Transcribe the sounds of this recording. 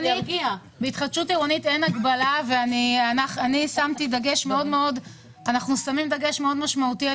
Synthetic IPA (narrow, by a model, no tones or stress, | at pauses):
niɡia | beitχadʃuteʁonitenaɡbalaveanianaχanisamtidaɡe̞ʃme̞o̞dme̞o̞d | anaχnusamimdaɡe̞ʃme̞o̞dmaʃmautia